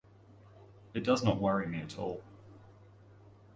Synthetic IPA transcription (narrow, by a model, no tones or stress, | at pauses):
ɨt̚d̥ʌznəʔwʌɹimiətʰɔ̰ːlˠ